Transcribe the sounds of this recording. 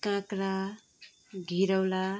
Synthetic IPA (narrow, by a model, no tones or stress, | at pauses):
kãkɾa | ɡʱiɾʌwla